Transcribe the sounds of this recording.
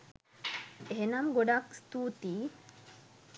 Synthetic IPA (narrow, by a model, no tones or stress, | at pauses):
eɦenɐmɡoɖakst̪uːt̪iː